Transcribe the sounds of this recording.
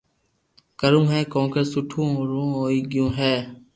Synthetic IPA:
kəɾumɦɛːkɔ̃ːŋkəsʊʈʰũːɾõːɦoːiːɡɪjõːɦɛː

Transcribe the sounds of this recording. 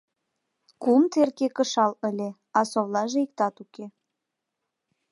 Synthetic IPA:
kumt̪erkekəʃɑləlʲe | ɑsoβlɑʒeik̚t̪ɑt̪uke

